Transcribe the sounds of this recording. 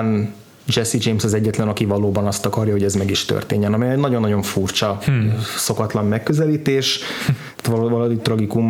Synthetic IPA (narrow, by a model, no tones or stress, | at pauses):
n | d͡ʒɛsid͡ʒeːmsɒzɛɟːɛt̪lɛnɒkivɒloːbɒnɒst̪ɒkɒrjɒɦo̞ɟɛzmɛɡiʃt̪ø̰rt̪ḛːɲːɛnɒmiɛnɒɟo̞nːɒɟo̞ɱfurt͡ʃɒ | so̞kɒt̪lɒmːɛkːø̞zɛliːt̪eːʃ | t̪vɒlod̪it̪rɒɡikum